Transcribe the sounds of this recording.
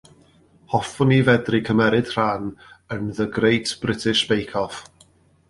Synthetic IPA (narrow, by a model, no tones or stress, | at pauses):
hɔfʊnivɛdrikʰəmɛɾɪd̥r̥anənðəɡrejtʰb̥rɪtʰɪʃb̥ejkʰɔf